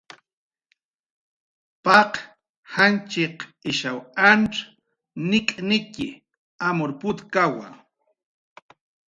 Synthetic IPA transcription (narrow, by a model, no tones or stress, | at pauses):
paq | hant͡ʃɪqɪʃawanʈ͡ʂ | nɪkʼnɪkɪ̰ | amoɾpʊt̪kawa̰